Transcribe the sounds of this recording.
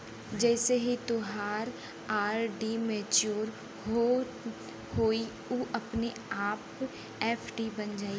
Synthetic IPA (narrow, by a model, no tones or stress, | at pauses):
d͡ʒɛːseɦit̪ʊɦaːɾ | aːɾɖimeːt͡ʃoːɾ | ɦo | hoːi | uʔɐpne | aːp | ɛːpʰɖibɐnd͡ʒaːi